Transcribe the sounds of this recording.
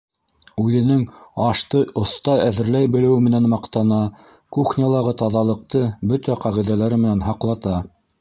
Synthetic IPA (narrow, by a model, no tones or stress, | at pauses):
ʉðɘ̆nɘŋɑʃt̪ɤʔŏθt̪ɑæðɘ̆ɾlæjbɘ̆lɘ̆wɘmɘ̆nænmɑqt̪ɑnɑ | kuχnʲɑlˠɑʁɤt̪ɑðɑlˠɤ̆q̚t̪ɤbɵt̪æqɑʁiðælæɾɘmɘ̆nænɦɑqlˠɑt̪ɑ